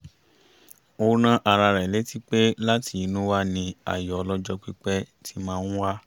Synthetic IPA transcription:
o˧ñã˦ʔa˨ɾa˧ɾɛ˨le˨˦ti˦k͡pe˦la˦ti˨˦nũ˦wa˦nĩ˧a̰˨jɔ˨˧lɔ˦d͡ʒɔ˦k͡pi˦k͡pɛ˦tʰi˧˦mãː˦˧˦ũ˦wa˦

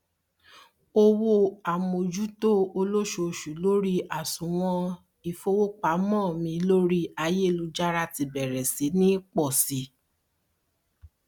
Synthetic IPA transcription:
o˧wo˧a˨mo˨d͡ʒu˦to˦o˧lo˦ʃo˧˨ʃu˨˦lo˦ɾi˦ʔa˨sũ˨˦w̃ɔ̃˧ | i˨fo˧wo˦k͡pa˨˦mɔ̃ː˦˨mĩ˧lo˦ɾi˦a˧je˦˨lu˧˦d͡ʒa˦ɾa˧ti˧bɛ˨ɾɛ˨si˨˦nĩ˦k͡pɔ˦˨si˨˦

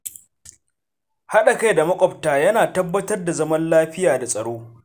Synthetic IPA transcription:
ha˦ɗa˨ka˦jda˨mɐ˦kʷʼɔ˨btaː˨jɐ˦naː˨tɐ˦bːɐ˦tɐ˦rda˨zɐ˦mɐ˦nlaː˦ɸɪ˦jaː˨da˨sʼɐ˨ɽoː˦

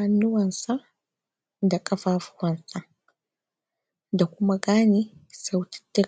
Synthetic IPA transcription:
a˦nːʊ˦wɐ˨nsa˦ | da˨kʼɐ˦ɸaː˦fʊ̥˦wɐ˨nsa˨ | da˨kʷʊ˦ma˦ɡaː˦ni˦sa˨wti̥˦tːɛ˦

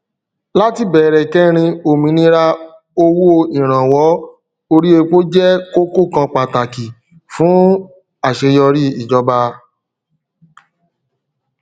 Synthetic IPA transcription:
la˦ti˦bɛː˨ɾɛ˨kɛ˦ɾ̃ĩ˧o˨mĩ˨˧˦nĩ˧ɾa˧ | o˧wo˦o˦˧i˨ɾ̃ã˨wɔ˨˦ | o˧ɾi˦e˧k͡po˦d͡ʒɛ˦ko˦˨ko˦˨kã˧k͡pa˨ta˨ki˨ | fũ˨˦ | a˦˨ʃe˧jɔ˧ɾi˦i˨d͡ʒɔ˧ba˧

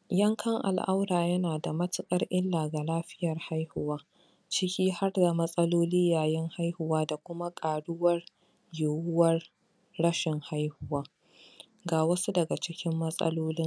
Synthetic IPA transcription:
jɐ˦ŋkʰɐ˦ŋʔa̰˨lʔa˦wɾaː˨jɐ˦naː˨da˨mɐ˦tɪ˦kʼɐ˦rʔɪ˦lːaː˨ɡa˨laː˦ɸɪ̥˦jɐ˨rha˦jhʊ˦waː˦ | t͡ʃɪ˦kʲiː˦ha˦rda˨mɐ˦sʼɐ˦loː˦liː˦jaː˨jɛ˦ŋha˦jhʊ˨waː˦da˨kʷʊ˦ma˦kʼaː˨ɽʊ˦wɐ˦r | jʊ˨wʊ˦wɐ˦r | ɽɐ˦ʃɪ˨ŋha˦jhʊ˦waː˦ | ɡaː˨wɐ˦su˦dɐ˨ɡa˨t͡ʃɪ˦kʲɪ˦mːɐ˦sʼɐ̰˦loː˦lɪ˦ŋ

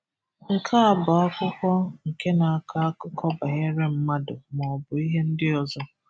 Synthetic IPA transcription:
ŋ̩˨kʰa˦a˨bʊ˨a˦kʷʊ˦kʷɔ˦ŋ̩˨ke˦na˨a˨kʰa˦a˦kʊ˦kɔ˦ba˨ɲe˦ɾe˦m̩˦ma˦dʊ˨mɔ˨bʊ˨i˦ɦe˦n̩˦dɪ˦ɔ˨zɔ˦

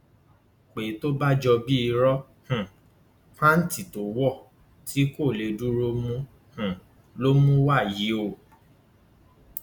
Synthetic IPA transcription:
k͡pe˨˦to˦ba˦d͡ʒɔ˧bi˦i˧ɾɔ˦ | hũ˨ | fa˦n̩˦ti˨to˨˦wɔ˦˨ | tʰi˦ko˦˨le˨˦du˦ɾo˦mũ˦ | hũ˨ | lo˦mũ˦wa˦˨ji˨˦o˦˧˨

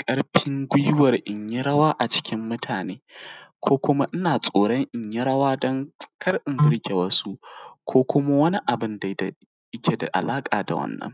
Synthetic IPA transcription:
kʼɐ˦ɽɸɪ˦ŋɡʷʊ˦jwɐ˨rʔɪ˨ɲji˦ɽɐ˦waː˦ʔa˨t͡ʃɪ̥˦kʲɪ˦mːʊ˦tʰaː˨neː˦kʷʰoː˦kʷʊ˦ma˦ʔɪ˦naː˨sʼoː˨ɽɔ˦ŋʔɪ˨ɲji˦ɽɐ˦waː˦dɔ˦ŋkʰɐ˦rʔɪ˨mbɪ˦ɽkʲe˨wɐ˦su˦ʔkʰʷoː˦kʷʊ˦ma˦wɐ˦ni˦ʔa˨bɪ˦nda˨jda˨ | ʔɪ˦kʲe˨da̰˨ʔa̰˨laː˦kʼaː˨da̰˨wɐ̰˦nːɐ̰˦ŋ

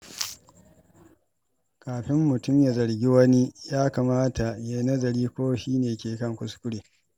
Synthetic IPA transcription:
kʰaː˨ɸɪ˦mːʊ˨tʊ˦mja˨zɐ˨ɽɡʲi˦wɐ˦ni˦jaː˦kaː˨maː˦tʰa˨ja˦nɐ˦zɐ˨ɾiː˦kʷoː˦ʃiː˦neː˨kʲeː˨kɐ˦ŋkʷʊ˦skʷʊ˦ɽeː˨

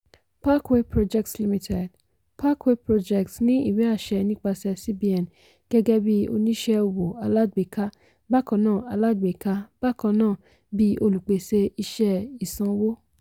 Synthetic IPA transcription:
pa˦kwe˦pɾo˧d͡ʒɛ˧k̚tli˦mĩ˧tʰɛ˨d | pa˦kwe˦pɾo˧d͡ʒɛ˨ktnĩ˦ḭ˦˨wɛ˨˦a˦˨ʃɛ˧nĩ˦k͡pa˧sɛ˧si˦bi˧˦ɛ˨n | ɡ̥ɛ˦ɡɛ˦bi˦o̰˧nĩ˦ʃɛ˧o˧wo˨a˧la˦ɡ͡be˨ka˦ | ba˦˨kɔ̃˧˦nãː˦˨a˧la˦ɡ͡be˨ka˧b̥a˦kɔ̃˧nãː˦˨ | bi˦o˧lu˨k͡pe˨se˧i˧ʃɛ˧i˨sã˧wo˦

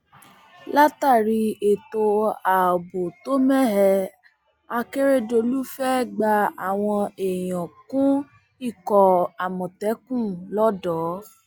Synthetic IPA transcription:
la˦ta˦˨ɾi˧e˨to˧a˨o˨bo˨to˦mɛ˦ɦɛ˧ | a˧ke˦ɾe˦do˧lu˦fɛ˦ɡ͡ba˧a˨w̃ɔ̃˧e˨j̃ɔ̃˨kũ˦ | i˦˨kɔ˨a˨mɔ̃˨tɛ˨˦kũ˦˨lɔ˦dɔ˨˦

